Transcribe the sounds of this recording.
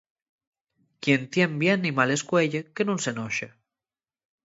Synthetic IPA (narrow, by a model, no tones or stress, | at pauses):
kjent̪jembjenːimaleskweʎekenunsenɔʃe